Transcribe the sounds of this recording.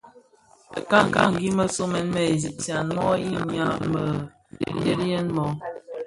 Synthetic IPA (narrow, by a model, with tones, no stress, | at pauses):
ə̰˨ka˦ŋ̩˨ka̰˦˨ŋ̩˨ɡi˦mə˦so˦mɛ˨˦nmə˦˨e˨zi˨ʔta˨nmɔ˦i˦ɲ˦a˦mə˨ | n˦de˦ɾjɛ˦nmɔ˦